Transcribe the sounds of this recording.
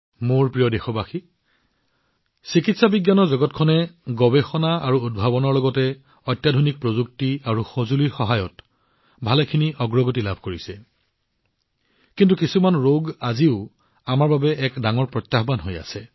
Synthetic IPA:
moɹpɹijɔdexɔbaxi | sikitsabiɡjanɔɹzɔɡɔtkʰɔnɛɡɔbexɔnaaɹuud̚bʱabɔnɔɹlɔɡɔtɛ | ɔjtːjadʱonik̚pɹozuk̚tiaɹuxozuliɹxɔɦajɔt | bʱalɛkʰiniʔɔɡɹɔɡotilab̚ʱkoɹisɛ | kint̬ukisumanɹoɡaziʊ | amaɹbabɛʔɛkdaŋɔɹpɹɔtːaxbanɦoja̰sɛ

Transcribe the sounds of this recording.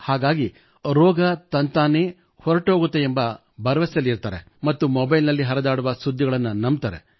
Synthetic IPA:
haːɡaːɡi | ɾɔːɡɐt̪ɐnt̪aːneː | hɔɾɐʈɦoːɡut̪ːeembɐ | bɐɾɐʋɐsɐlːiɾt̪aːɾḛ | mɐt̪ːumɔbɐjlnɐlːiɦɐɾɐd̪aːɽuʋɐsud̪ʱːiɡɐɭɐnːunɐmbt̪aɾḛ

